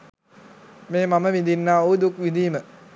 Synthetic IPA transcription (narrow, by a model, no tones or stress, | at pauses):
meːmaməʋid̪inːaːoːd̪ukʋid̪iːmə